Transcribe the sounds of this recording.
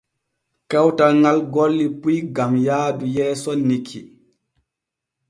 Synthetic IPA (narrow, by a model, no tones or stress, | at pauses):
kɛwtaŋɡalɡɔlːipujɡamjaːdujɛːsɔnːikʰːi